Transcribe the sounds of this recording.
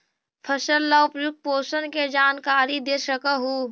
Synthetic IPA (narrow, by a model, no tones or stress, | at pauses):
pʰəʃəlːaʊpjʊk̪̚poːsənked͡ʒaːnkaːɾid̪eɾʃəkəɦuː